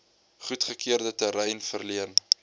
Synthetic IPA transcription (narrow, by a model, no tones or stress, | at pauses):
χutχəkʰiərdətəɾɛjnfərliən